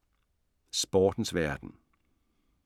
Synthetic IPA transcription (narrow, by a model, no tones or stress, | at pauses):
sb̥ɒːd̥n̩sʋæɐd̥n̩